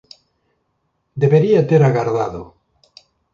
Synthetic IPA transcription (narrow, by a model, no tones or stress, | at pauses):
d̪eβeɾiat̪eɾaɣaɾðaðo